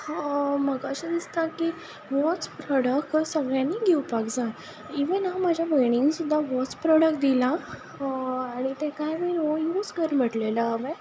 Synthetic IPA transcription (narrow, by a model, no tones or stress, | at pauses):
hãməɡaɕəd̪ist̪aki | ʋɔt͡spɾɔɽəkʈsəɡɭjãniɡiwpakd͡za | iʋənãmad͡ʑʱjabəjɳ̃iŋɡsud̪ʱːaʋɔt͡spɾɔɽək̚ʈ̚d̪ilã | aɽ̃it̪ẽkajməiojuːd͡zkəɾm̤əʈleləːʋẽ